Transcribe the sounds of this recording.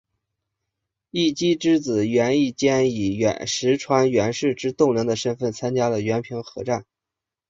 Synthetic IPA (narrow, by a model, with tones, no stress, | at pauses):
i˥˩t͡ɕi˥ʈ͡ʂɻ̩˥t͡sɹ̩˨˩ɥɛ˧˥ni˥˩t͡ɕjɛ˥ni˨˩ɥɛ̰˧˥nʂɻ̩˧˥ʈ͡ʂʰwa˧˥nɥɛ˧˥nʂɻ̩˥˩ʈ͡ʂɻ̩˥t̪ʊ˥˩ŋlɤ˧˥ŋd̪ə˧ʂə˥nfə˥˩nt͡sʰa˥nt͡ɕja˥lə˨ɥɛ˧˥npʰi˧˥ŋxɤ̰˧˥ʈ͡ʂa˥˩n